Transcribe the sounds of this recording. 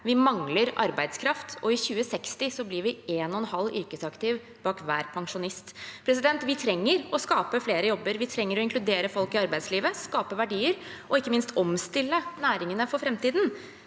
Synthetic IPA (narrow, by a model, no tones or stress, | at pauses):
ʋɪmɑŋləɾʔɑ̰ɾbæɪd̪skʰɾɑft̪ʰɔɪçʉːəsɛkst̪ɪsɔblɪɾʋɪeːnɔɛnhɑlːʏ̰ɾkəsɑkt̪ɪʋ | b̥ɑːkʋæːɾpʰɑŋʂʊnɪst̪pʰɾɛs̬ɪd̪ɛnt̪ʋɪt̪ʰɾɛŋːəɾɔskɑːpəfleːɾəjɔbːəɾʋɪt̪ʰɾɛŋːəɾɔɪnŋkʰlʉd̪eːɾəfɔlkɪɑɾbæɪd̪sliːʋəskɑːpəʋæɖiːəɾ | ʔɔɪkːəmɪnst̪ɔmst̪ɪlːənæːɾɪŋənəfɔɾfɾɛmt̪iːd̪n̩